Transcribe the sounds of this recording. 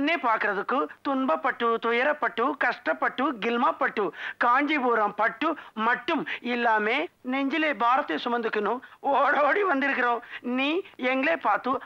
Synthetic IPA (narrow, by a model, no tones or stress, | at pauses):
nːeːpaːkiɾɐðukːɯt̪uɳbɐpːɐʈːut̪ujɐɾɐpːɐʈːukɐʂʈɐpːɐʈːuɡɪlmaːpːɐʈːukaːɲd͡ʒibuːɾɐmpɐʈːumɐʈːumilːaːmeːneɲd͡ʒileːbʱaːɾɐt̪iːɐsumɐnd̪ukːinuoːɽoːɽiʋɐnd̪iɾɯkːɪɾoːniːeŋɡɭeːpaːt̪u